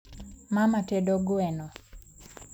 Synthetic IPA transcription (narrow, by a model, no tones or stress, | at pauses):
mamatedoɡwɛnɔ